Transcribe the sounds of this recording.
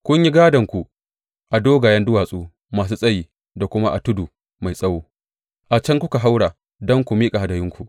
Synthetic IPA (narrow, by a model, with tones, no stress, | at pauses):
kʷʊ˦ɲji˦ɡaː˦dɐ˨ŋkʷu˨ | ʔa˨doː˦ɡa˨jɐ˦ndʊ˦waː˨sʼuː˦ | maː˨s̬uː˦sʼɐ˦jiː˨ | da˨kʷʊ˦ma˦ʔa̰˨tʊ˦du˨ | ma˨jsʼɐ˦woː˦ | ʔa˨t͡ʃɐ˦ŋkʷʊ˦ka˨ɦa˦wɽaː˨ | dɔ˦ŋkʷu˨miː˦kʼa˨ha˨dɐ˨jɪ˦ŋkʷu˨ʔ